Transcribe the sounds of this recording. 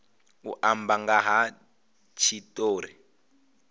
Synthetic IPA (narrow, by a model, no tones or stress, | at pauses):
ṵʔambaŋɡaɦa | t͡ʃʰitoːɾi